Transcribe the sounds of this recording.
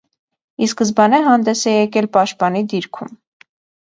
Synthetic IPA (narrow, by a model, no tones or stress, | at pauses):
iskəzbɑnɛɦɑnd̪ɛsɛjɛkɛlpɑʃt̪̚pɑnid̪iɾkʰum